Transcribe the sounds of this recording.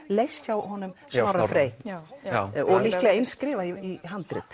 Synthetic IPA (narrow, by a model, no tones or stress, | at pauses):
lejst̪awɦɔnʏmsmaɾafɾeːj | ɔɣliklɛɣaenskɾɪːvaiiɦant̪ɾɪ̰t̪